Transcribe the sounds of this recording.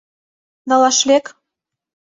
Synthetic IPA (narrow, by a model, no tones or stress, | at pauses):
d̪ɑlɑʃlek